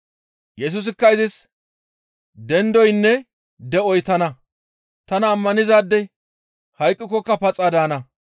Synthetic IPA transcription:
jɛs̬ʊs̬ɪkːɐɪzɪs | d̪ɛnd̪ɔjnːɛ | d̪ɛɔjt̪ɐnɐ | t̪ɐnɐːmːɐnɪzaːd̪ːɛ | hɐjkʼːɪkːɔkːɐpɐt͡sʼːad̪aːnɐ

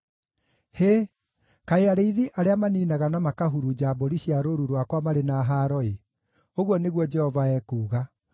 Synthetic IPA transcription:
he | kaeaɾeiðiʔaɾeamaniːnaɣanamakaɦuɾud͡ʑaːboɾiɕiaɾoɾuɾwakwamaɾenaːɦaːɾɔe | oɣwɔneɣwɔd͡ʒɛhɔvaɛːkuːɣa

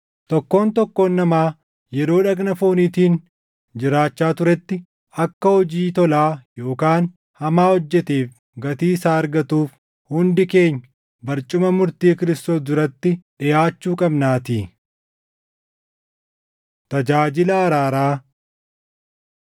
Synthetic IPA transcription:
t̪ɔkːo̞ːnt̪ɔkːoːnːɐmaː | jɛɾo̞ːᶑɐkʼnɐfo̞ːniːt̪iːn | d͡ʒɪɾaːt͡ʃːaːt̪ʊɾɛt̪ːɪ | ɐkːɐhɔd͡ʒiːt̪ɔlaːjo̞ːkaːn | hɐmaːhɔd͡ʒːɛt̪eːf | ɡɐt̪iːsaːɐɾɡɐt̪uːf | hʊnd̪ɪke̞ːɲː | bɐɾt͡ʃʼʊmɐmʊɾt̪iːkɪɾɪst̪o̞ːsd̪ʊɾɐt̪ːɪᶑɪjaːt͡ʃːuːkʼɐbnaːt̪iː | t̪ɐd͡ʒaːd͡ʒɪlɐːɾaːɾaː

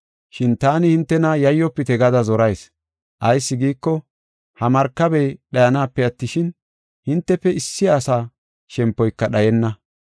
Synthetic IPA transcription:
ʃɪnt̪aːnɪhɪnt̪ːɛnɐjɐjːɔpːɪt̪ɛɡɐd̪ɐzɔɾɐjs | ʔɐjsːɪɡiːkːɔ | hɐmɐɾkːɐbɛjɗɐjɐnaːpːɛɐt̪ːɪʃɪn | hɪnt̪ːɛpːɛɪsːɪjaːsaː | ʃɛmpːɔjkːɐɗɐjɛnːɐ

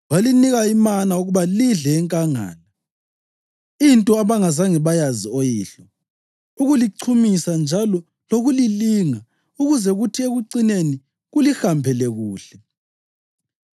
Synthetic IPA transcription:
waliniɣaimanauɣuβaliɮɛːŋkʼaŋa̰ːla | intʼɔaβaŋazaŋɛβajaziojiːɬɔ | uɣuliǀʰumisand͡ʒʱalɔ | loɣuliliːŋa | uɣuzɛɣutʰieɣuǀineni | ɣulixampʰɛlɛɣuːɬɛ

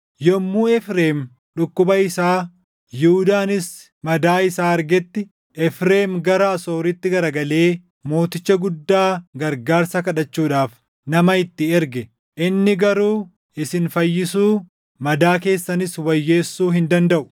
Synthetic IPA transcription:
jɔmːuːɛfɾe̞ːm | ᶑʊkːʊbɐɪsaː | juhʊd̪aːnɪs | mɐd̪aːɪsaːɐɾɡɛt̪ːɪ | ʔɛfɾe̞ːmɡɐɾɐːso̞ːɾɪt̪ːɪɡɐɾɐɡɐle̞ː | mo̞ːt̪ɪt͡ʃːɐɡʊd̪ːaːɡɐɾɡaːɾsɐkɐᶑɐt͡ʃːuːᶑaːf | nɐmɐɪt̪ːɪɛɾɡɛ | ʔɪnːɪɡɐɾuː | ɪsɪnfɐjːɪsuː | mɐd̪aːk̬e̞ːsːɐnɪswɐjːe̞ːsːuːɦɪnd̪ɐnd̪ɐʔʊ̥

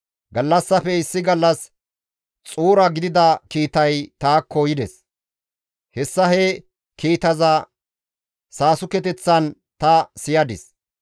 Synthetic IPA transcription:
ɡɐlːɐsːɐfɛɪsːɪɡɐlːɐs | t͡sʼuːɾɐɡɪd̪ɪd̪ɐkiːt̪ɐjt̪aːkʰːojɪd̪ɛs | hɛsːɐhɛ | kiːt̪ɐzɐ | saːsʊkɛt̪ɛt͡sːɐn | t̪ɐsɪjɐd̪ɪs

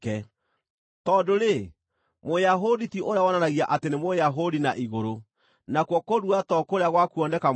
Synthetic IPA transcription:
ɛ | tɔːdoɾe | mojaɦoditiʔoɾeawɔnanaɣiaʔatenemojaɦodinaʔiɣoɾo | nakwɔkoɾuatɔkoɾeaɣwakuɔndɛka

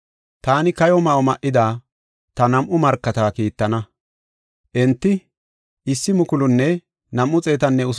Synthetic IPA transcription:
t̪aːnɪkɐjɔmɐɔmɐʔːɪd̪aː | t̪ɐnɐmʔʊmɐɾkːɐt̪aːkiːt̪ːɐnɐ | ʔɛnt̪ːɪ | ɪsːɪmʊkʊlʊnːɛ | nɐmʔːʊt͡sʼe̞ːt̪ɐnːɛʊs

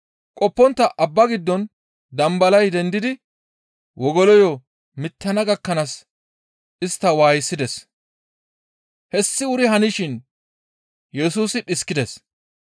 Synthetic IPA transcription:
kʼɔpːɔnt̪ːɐʔɐbːɐɡɪd̪ːɔn | d̪ɐmbɐlɐjd̪ɛnd̪ɪd̪ɪ | wʔɔɡɔlɔjɔ | mɪt̪ːɐnɐɡɐkːɐnɐs | ɪst̪ːɐwaːjɪsːɪd̪ɛs | hɛsːɪʊɾɪhɐnɪʃɪn | jɛsuːsɪᶑɪskːɪd̪ɛs

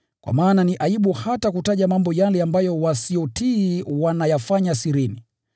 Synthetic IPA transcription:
kwa̰maːnaniʔaiɓuhatakutaʄamambɔjalɛambajɔwasijɔtiːwanajafaɲasiɾini

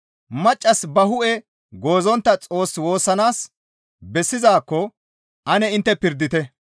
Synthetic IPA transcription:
mɐt͡ʃʼːɐsbɐɦʊʔɛ | ɡo̞ːzɔnt̪ːɐt͡sʼo̞ːswo̞ːsːɐnaːs | bɛsːɪzaːkːɔ | ʔɐnɛɪnt̪ːɛpɪɾd̪ɪt̪ɛ

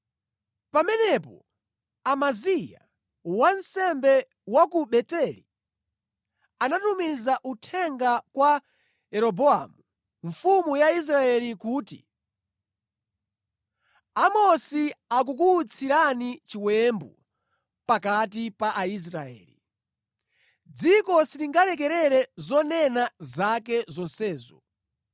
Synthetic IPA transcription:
pamɛnɛpɔ̰ | amazija̰ | wansɛmbɛ | wakuɓɛtɛlḭ | anatumizaʔutʰɛŋɡakwa | ɛɾɔbɔa̰mu | ɱfumujais̬ɾaɛlikuːtḭ | amɔsiak̬uk̬uːt͡sʰiɾanit͡ʃiwɛmbṵ | pakat̬ipaʔais̬ɾaɛ̰ːli | d͡zikɔsiɾiŋɡalɛk̬ɛɾɛɾɛzɔnɛnazak̬ɛzɔnsɛːzɔ̰

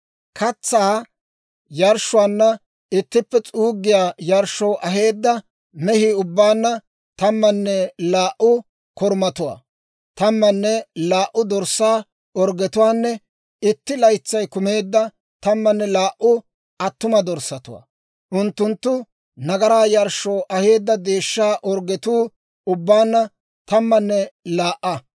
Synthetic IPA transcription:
kʰɐt͡sːaː | jɐɾʃʊwaːnːɐ | ɪt̪ːɪpːɛt͡sʼuːɡːɪjaːjɐɾʃːɔwʔɐɦe̞ːd̪ːɐ | mɛhiʊbːaːnːɐ | t̪ɐmːɐnːɛlaːʔʊ | kɔɾmɐt̪ʊwa̰ː | t̪ɐmːɐnːɛlaːʔːʊd̪ɔɾsːaː | ɔɾɡɛt̪ʊwaːnːɛ | ɪt̪ːɪlɐjt͡sːɐjkʊmeːd̪ːɐ | t̪ɐmːɐnːɛlaːʔʊ | ɐt̪ːʊmɐd̪ɔɾsːɐt̪ʊwa̰ː | ʔʊnt̪ːʊnt̪ːʊ | nɐɡɐɾaːjɐɾʃo̞ːʔɐhe̞ːd̪ːɐd̪e̞ːʃːaːʔɔɾɡɛt̪uː | ʊbːaːnːɐ | t̪ɐmːɐnːɛlaːʔːɐ

